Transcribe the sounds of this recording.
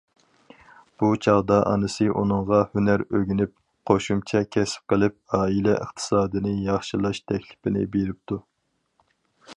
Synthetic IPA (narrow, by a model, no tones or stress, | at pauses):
b̥ut͡ʃʰɑʁd̪ɑʔɑ̰nɨsɨʔunɨŋʁɑhynæɾøɡʲinɪp̚ | qʰoʃumt͡ʃʰɛkʲʰɛsɪ̥p̚qʰəlˠɪp̚ɑːilɛʔə̰χt̪ʰɨ̥sɑːd̪ɨnɨjɑχʃɨlˠɑʃt̪ʰɛkʲlɪpɪnɪ̰beɾɪp̚t̪ʰu